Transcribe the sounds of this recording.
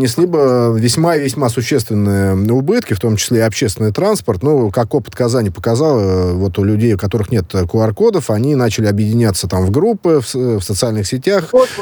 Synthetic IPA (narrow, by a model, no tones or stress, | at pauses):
nʲɪsʲlʲibəvʲɪsʲmaɪvʲɪsʲmasʊɕːe̞st̪vʲɪnːɨjəʊbɨt̪kʲɪft̪o̞mt͡ɕɪ̥sʲlʲeɪɐpɕːest̪vɪnɨjt̪ɾanspərt̪nukɐkopə̥t̪kɐzanʲɪjəpə̥kɐzɑlˠəvo̞t̪ʊlʲʉdʲejʊkɐt̪o̞ɾɨxnʲe̞t̪kʊɐrko̞d̪əfɐnʲinat͡ɕɪlʲɪɐbjɪdʲɪnʲat̪sət̪amvɡɾupːɨffsət̪sɨalʲnɨxsʲɪtʲax